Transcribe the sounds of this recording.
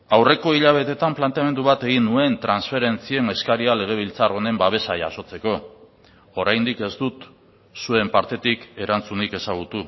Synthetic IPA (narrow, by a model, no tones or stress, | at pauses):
awre̞ko̞iʎaβ̞e̞t̪e̞t̪amplant̪eamend̪uβat̪e̞ɣ̞inːue̞nt̪ɾansfe̞ɾe̞nt͡sie̞ne̞skaɾiale̞ɣ̞e̞βilt͡saro̞ne̞mbaβ̞e̞saʝa̰so̞t͡se̞ko̞ | oɾajnd̪ike̞zd̪ut̪ | sue̞mpaɾt̪e̞t̪ike̞ɾant͡sunike̞saɣ̞ut̪u